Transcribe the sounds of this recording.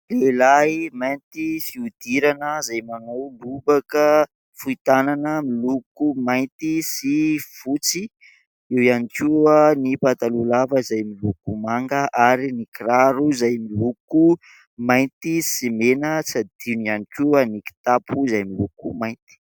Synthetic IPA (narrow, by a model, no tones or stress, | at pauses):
lelaimajnt̪ifiud̪iɾanəzajmanawlubakə | fuit̪ananəmilukumajnt̪isifut͡si | iwianikʲuanipat̪alulavəizajmilukumaŋɡəʔaɾinikiraɾuzajmiluku | majnt̪isimenət͡sad̪̥inanikʲuaniki̥t̪apʰuzajmilukumajnt̪i̥